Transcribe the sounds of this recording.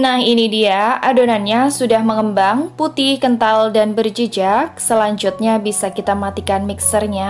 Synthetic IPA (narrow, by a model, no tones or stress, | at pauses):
nahɦinidiaʔadonanɲasudahməŋəmbaŋput̪ɪhkənt̪aldanbərd͡ʒəd͡ʒak̚səlaɲd͡ʒut̪̚ɲabisakit̪aməat̪ikanmiksərɲa